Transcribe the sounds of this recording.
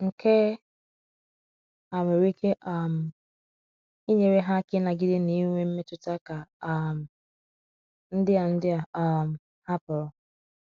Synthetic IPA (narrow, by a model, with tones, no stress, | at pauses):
ŋ̩˨ke˦ | a˨me˨ɾi˦ke˦ʔa˦˨m̩˨ | i˦ɲe˨ɾe˦ɦa˦kɪ˦na˨ɡɪ˦dɪ˦ni˦ŋʷe˦m̩˦me˦tʊ˨ta˦ka˨˦m̩˨ | n̩˦dɪ˦a˨n̩˦dɪ˦a˨a˦m̩˨ | ha˦pʊ˨ɾʊ˨